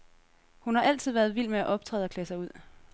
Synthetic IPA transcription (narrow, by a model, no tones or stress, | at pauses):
hunhɑ̈ʔæl̰t͡sʰið̰ˠʋæːɐð̞ˠʋil̰meæʔɒ̽b̥̚t͡sʰʁɛ̰ːð̩ˠɒ̽kʰlɛːsɑ̈ɪuð̞̰ˠ